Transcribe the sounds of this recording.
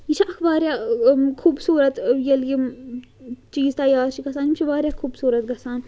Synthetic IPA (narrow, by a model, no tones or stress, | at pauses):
jit͡ʃʰiʔɐkʰbaːɾʲjaːkʰuːbsuːɾɐt̪jɐlji | t͡ʃiːzt̪ɐjaːɾt͡ʃʰiɡɐsaːnimt͡ʃʰiʋaːɾjaːkʰuːbsuːɾɐt̪̚ɡɐsaːn